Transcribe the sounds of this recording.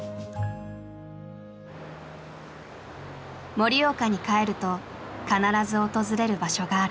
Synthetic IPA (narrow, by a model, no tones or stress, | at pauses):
mo̞ɾʲio̞ːkaɲ̟ikae̞ɾɯ̟t̪o̞ | kanaɾazɨo̞t̪o̞zɨɾe̞ɾɯ̟baɕo̞ɡaːɾɯ